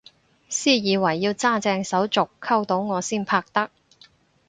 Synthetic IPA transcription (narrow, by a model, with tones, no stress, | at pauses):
siː˥jiː˨˧wɐ˨˩jːiː˧wt͡saː˥˩t͡sɛː˧ŋsɐ˨˥wt͡sʊ˨kʰːɐ˥wt̪o˨˥wŋɔː˨˧siː˥npʰaː˧k̚t̪ɐ˥k̚